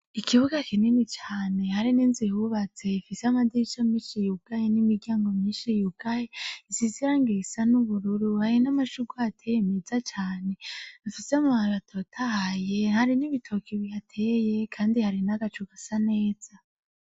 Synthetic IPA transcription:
ikʰiβuɡakʰininit͡ʃaːne̞haɾiniːnzihuβat͡se̞fiseamadiɾit͡ʃamiːʃijuɡ̥ajenimiɾɡaːŋɡomiːnʃijuɡ̥ajeisiziɾaŋɡesanuβuɾuɾuhajinamaʃuɡwaatʰejemezat͡ʃaːne̞ifiseamaaβatʰo̞tʰahajehaɾiniβitʰokʰiβijatʰeːje̞kʰaːndihaɾinaɡat͡ʃuɡasane̞ːz̥a

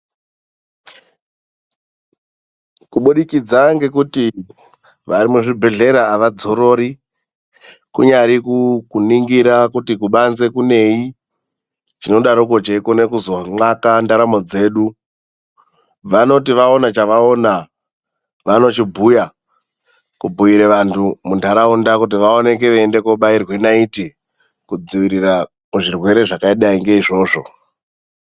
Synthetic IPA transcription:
kuɓuɗikid͡zaŋɡe̞kuti | ʋaɾimuʐibʱe̞ɮe̞ɾaːʋad͡zo̞ɾo̞ɾi | kuɲaɾikukuniŋɡiɾakutikuɓanze̞kune̞i | t͡ʃino̞ɗaɾuko̞t͡ʃekone̞kuzoŋ͡ǃakandaɾamo̞d͡ze̞ːɗu | ʋano̞tiʋao̞nat͡ʃaʋao̞na | ʋano̞t͡ʃibʱuja | kubʱuiɾeʋantʰumundʱaɾaundakut̬iʋao̞ne̞k̬e̞ʋeːnde̞koɓairwenaiti | kud͡ziʋiɾira | kuʐirwe̞ɾe̞ʐakaiɗaiŋɡe̞iʐo̞ːʐo̞

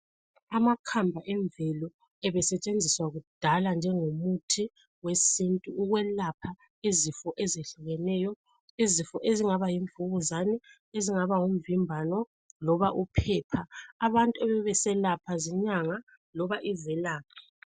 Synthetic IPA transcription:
amakʰambʱaʔɛɱvɛlɔ | ɛβɛsɛt͡ʃʼend͡zʱiswaɣud̥ʱaland͡ʒʱɛŋomutʰi | wesintʼuːɣwɛlapʰa | izifɔʔɛzeɬuɣɛnɛːjɔ | izifɔʔeziŋaβajiɱvuɣuzanɛ | eziŋaβaŋuɱ̩vimbʱanɔ | lɔβaʔupʰɛːpʰaːβantʼuɛβɛβɛsɛlapʰaziɲaŋa | lɔβaʔizɛlaːp̚ʰḁ

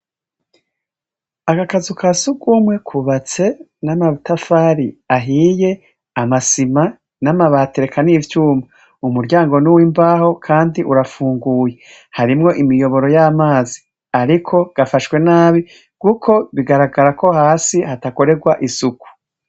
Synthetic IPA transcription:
akakazukʰasukumŋe̞kʰuβat͡se̞ | namaβtafaːɾiaɦiːje̞ | amasima | namaβaːteɾekʰanivjuːma | umuɾɟaːŋɡo̞nuwimbaːho̞kʰaːndiʔuɾafuːŋɡuːje̞ | haɾimŋo̞ʔimijo̞βo̞ɾo̞jamaːzi | aɾikʰo̞ɡ̥afaʃwe̞naːβi | ɡ̥ukʰo̞βiɡaɾaɡaɾako̞haːsihatako̞ɾe̞ɡwaʔisuku̥

